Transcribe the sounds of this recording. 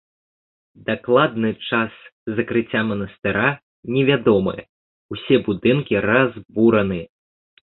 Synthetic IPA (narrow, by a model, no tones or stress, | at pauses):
d̪aklˠad̪̚nɨt͡ʂaszɐkɾɨt͡sʲːamɐnɐst̪ɨɾa | nʲɛvʲad̪ɔmɨ̰jɐ̰ | usʲɛbud̪ɨnkʲiɾazbuɾɐnɨj